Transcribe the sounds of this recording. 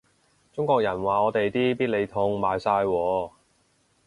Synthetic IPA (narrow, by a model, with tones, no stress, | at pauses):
t͡sʊ˥ŋkɔː˧k̚jɐ˨˩nwaː˨ɔː˨˧t̪e˨jt̪iː˥piː˥t̚le˨˧jt̪ʰʊ˧ŋmaː˨˧jsaː˧jwɔː˨˧